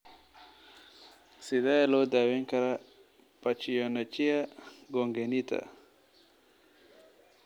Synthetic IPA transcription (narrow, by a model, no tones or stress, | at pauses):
sid̪aelod̪awiŋkaɾa | pat͡ʃijonat͡ʃijaɡoŋɡenit̪a̰